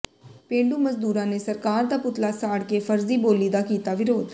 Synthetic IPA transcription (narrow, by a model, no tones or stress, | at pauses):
pẽːɳɖuːməzd̪uːɾãːneːsəɾkaːɾd̪aːpʊt̪laːsaːɽkefʰəɾziːboːliːd̪aːkiːt̪aːʋɪɾoːd̪